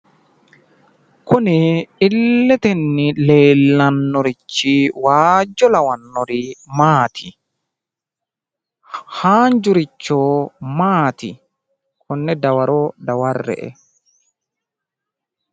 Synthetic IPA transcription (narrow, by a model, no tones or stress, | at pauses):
kʊnɪɪlːɛt̪ɛnːɪleːlːɐnːɔɾɪt͡ʃːiwaːd͡ʒːɔlɐwɐnːɔɾimaːt̪ʰɪ | haːnd͡ʒʊɾɪt͡ʃːoːmaːt̪ɪ | kʰʊnːɛd̪ɐwɐɾod̪ɐwɐrːɛ̰ʔɛ̰